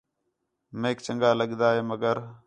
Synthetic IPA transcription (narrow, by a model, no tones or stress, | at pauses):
mẽːkt͡ʃəŋɡaːləɠd̪aːɦeːməɡəɾ